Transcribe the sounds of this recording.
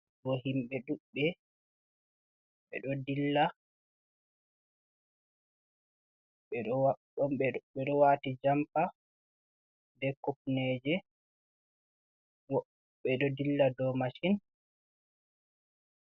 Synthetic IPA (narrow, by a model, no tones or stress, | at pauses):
ɡɔɦimɓɛɗuɓːɛ | ɓɛ̰ɗɔdilːa | ɛ | ɔɛɓɛɗɔwatid͡ʒampa | dɛkop̚nɛd͡ʒɛ | wɔ | bɛɗɔdilːadɔmaʃin